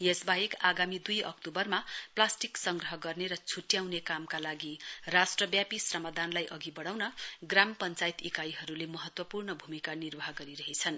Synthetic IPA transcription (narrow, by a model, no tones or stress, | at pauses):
jesbaɦikaɡamid̪ujʌ̰k̚t̪obʌrmaplasʈiksʌŋɡrʌɦʌɡʌrneɾʌt͡sʰuʈjawnekamkalaɡirasʈrʌbjapisrʌmad̪anlajʔʌɡibʌɽ̃awnʌɡrampʌnt͡sait̪ikajɦʌɾulemʌɦʌt̪wʌpurnʌbʱumikanirbʌɦʌɡʌɾiɾʌɦet͡sʰʌn